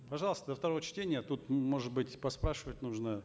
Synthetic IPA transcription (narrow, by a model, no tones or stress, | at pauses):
pɐʐɑlˠəst̪əd̪əft̪ɐɾo̞vət͡ɕtʲenʲɪjət̪ut̪mo̞ʐɨt̪̚bɨtʲpɐspɾaʂɨvətʲnuʐnə